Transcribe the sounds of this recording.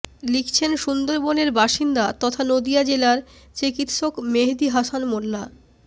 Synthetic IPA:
likʰt͡ɕʰenʃund̪oɾboneɾbaʃind̪at̪ɔt̪ʰanod̪ijad͡ʑelaɾ | t͡ɕikit̪ʃokmeɦd̪iɦasanmolːa

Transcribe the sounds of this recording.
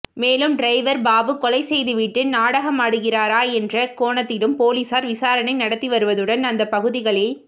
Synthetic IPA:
meːlɯmɖɾɐɪʋɐɾbaːbɯkɔlɐɪsɛjðɯʋiʈːɯnaːɽɐɣɐmaːɽɯɣɪraːɾaːɛndrɐkoːɳɐt̪ːɪɽɯmpoːliːsaːɾʋɪsaːɾɐnɐɪnɐɽɐt̪ːiʋɐɾɯʋɐðɯɽɐnɐnd̪ɐpːɐɣɯðɪɣɐɭɪl

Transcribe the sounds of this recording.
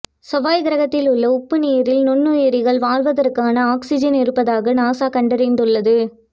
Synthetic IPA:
sɔʋaːjɡɪɾɐɣɐt̪ːɪlʊɭːɐʊpːɯniːɾɪlnʊnːɯeːɾɪɣɐɭʋaːɭʋɐðɐrkːaːnɐaːksɪd͡ʒɐnɪɾɯpːɐðaːɣɐnaːsaːkɐɳɖɐɾeːɳɖɯɭːɐðɯ

